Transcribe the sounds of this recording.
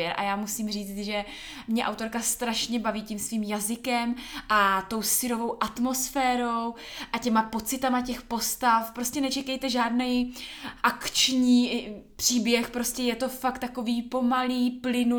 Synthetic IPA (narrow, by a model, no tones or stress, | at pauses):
ɛɾʔa̰jaːmusiːmriːt͡st̪ʒɛ | mɲɛʔa̰wt̪o̞ɾkast̪ɾaʃɲɛbaviːcimsviːmjazɪkɛmʔat̪o̞wsɪɾo̞vo̞wʔat̪mo̞sfɛːɾo̞wʔacɛmapo̞t͡sɪt̪amacɛxpo̞st̪afpɾo̞scɛnɛt͡ʃɛkɛjt̪ɛʒaːdnɛjʔakt͡ʃɲiːpr̥iːbjɛxpɾo̞scɛjɛt̪o̞fak̚t̪ːako̞viːpo̞maliːplɪnu